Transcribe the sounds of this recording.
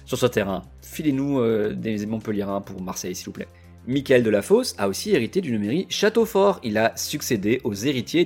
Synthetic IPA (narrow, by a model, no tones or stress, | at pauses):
syʁsɔ̃t̪eʁɛ̃ | filenuød̪emezemɔ̃pəljeʁɛ̃puʁmaʁsɛjsilvuplɛ̰ | mikʲɛld̪əlafosa̰osieʁit̪ed̪ynmeʁiʃat̪ofɔʁilasyksed̪eʔozeʁit̪je